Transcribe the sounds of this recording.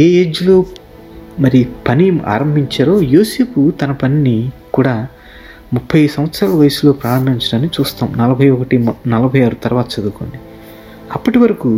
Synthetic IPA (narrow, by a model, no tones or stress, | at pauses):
eːeːd͡ʒuloː | mɐɾipɐnijɐma̰ːɾɐmbʱiɲt͡ʃaːɾo̞ːjoːse̞ːput̪ɐnɐpɐninikuːɽaː | mupʰːɐjsɐmʋɐt̪sɾaːlɐʋɐjɐsulo̞ːpɾaːɾɐmbʱiɲt͡ʃɐɽaːnt͡ʃuːst̪aːmunɐlɐbʱɐjɔkɐʈinɐlɐbʱɐjaːɾut̪ɐɾuʋaːt̪ɐt͡ʃɐd̪ukoɳɖi | ɐpːɐʈiʋɐɾɐku